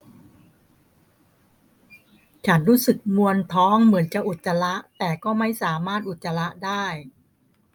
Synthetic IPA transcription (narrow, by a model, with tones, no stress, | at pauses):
t͡ɕʰa˦˥nɾuː˦˥sɯ˨˩k̚mu˧ənt̪ʰɔː˦˥ŋmɯ˩˦ənt͡ɕa˨˩ʔu˨˩t̪̚sa˧la˦˥ʔt̪ɛː˨˩kɔː˥˩ma˥˩jsaː˩˦maː˥˩t̪̚ʔu˨˩t̪̚ːa˧la˦˥ʔdaː˥˩j